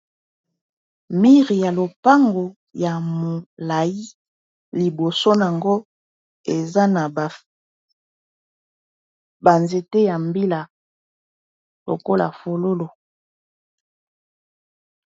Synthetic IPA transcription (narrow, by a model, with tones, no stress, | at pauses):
mi˦ʁi˨ja˨lo˨pa˦ŋɡo˨ | ja˨mo˨la˨i˦ | li˨bo˨so˦n˨a˨ŋɡo˦ | e˨za˦na˨ba˨fi˦ | ba˨nze˨te˦ja˨mbi˦la˨ | lo̰˨ko˦la̰˨fo˨lo˦lo˨